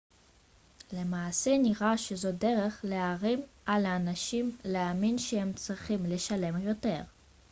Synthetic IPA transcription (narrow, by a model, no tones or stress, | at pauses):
le̞maːseniʁaʃezo̞de̞ʁe̞χleaʁimʔalaːnaʃimleaminʃehe̞mt͡sʁiχimle̞ʃale̞mjo̞te̞ʁ